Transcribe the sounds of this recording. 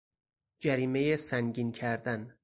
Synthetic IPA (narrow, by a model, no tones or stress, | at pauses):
d͡ʒæɾiːme̞jesæŋɟiːncʰæɾd̪æn